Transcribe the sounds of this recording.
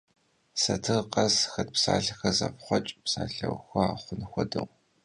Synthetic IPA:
sɐtʰɨʁqʼɐzxɐt̚psaːɬɐxɐzɐpχʷɔt͡ʃʼpsaːɬɐwxʷɔaːχʷʊnxʷɔdɨw

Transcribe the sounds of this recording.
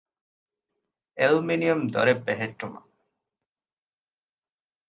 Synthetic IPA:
elminiomd̪ɔ̰ɾebɛɦeʈːoma̰

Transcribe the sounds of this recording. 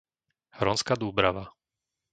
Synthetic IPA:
hɾɔnskad̪uːbɾaʋa

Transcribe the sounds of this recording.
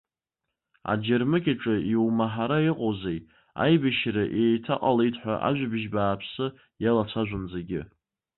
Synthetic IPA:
a̰d͡ʒɪrmɨkʲʼaʈ͡ʂʼɨiwmaħaɾaiqʼozej | a̰jbaʃɾaʔejtʰaqʼalejtʰʼħʷᶣa̰ʔa̰ʒʷᶣabʒbaːpʰsɨ | jalat͡sʷʰaʒʷʊnzaɡʲɪ

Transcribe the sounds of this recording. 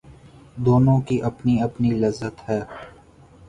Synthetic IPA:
d̪oːnõkiʔɐpniɐpnilɐzːət̪ɦɛː

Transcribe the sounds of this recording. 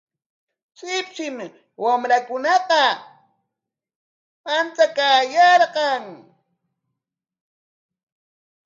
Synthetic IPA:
sɪpt͡ʃɪm | wamɾakʊnɑqɑ | pant͡s̪akaːjɑɾqɑŋ

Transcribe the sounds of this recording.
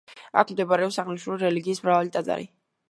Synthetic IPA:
a̰kʰmd̪ɛbaɾɛɔpsaʁniʃuɾiɾɛliɡiːsmɾavalit̪ʼad̪zʼa̰ɾḭ

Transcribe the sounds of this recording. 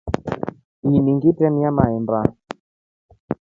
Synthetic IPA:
iniŋɡitɛmamaɛmba

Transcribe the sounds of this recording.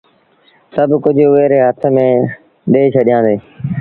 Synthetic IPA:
səbkʊd͡ʑʱʊʋeːɾeːɦət̪ʰmẽː | ɗeːt͡ʃʰəɗɪijãːnd̪eː

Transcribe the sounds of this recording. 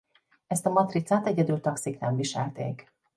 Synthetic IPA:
ɛst̪ɒmɒt̪rit̪saːt̪ɛɟɛd̪ylt̪ɒksiknɛɱviʃɛlt̪ḛːk

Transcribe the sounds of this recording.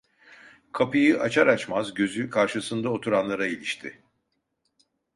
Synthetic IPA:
kʰapɯjɯʔat͡ʃʰaɾat͡ʃmazɟø̞zykʰaɾʃɯsɯnd̪ao̞t̪ʰuɾanlˠaɾailʲiʃt̪ʰɪ

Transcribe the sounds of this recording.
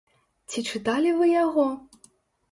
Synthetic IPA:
t͡sʲit͡ʂɨt̪alʲivɨjaɣɔ

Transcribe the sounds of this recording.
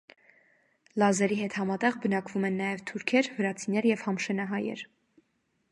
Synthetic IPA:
lɑzɛɾiɦɛt̪hɑmɑt̪ɛʁbənɑkvumɛnːɑjɛvt̪ʰuɾkʰɛɾvəɾɑt͡sʰinɛɾjɛvhɑmʃɛnɑɦɑjɛ̰ɾ

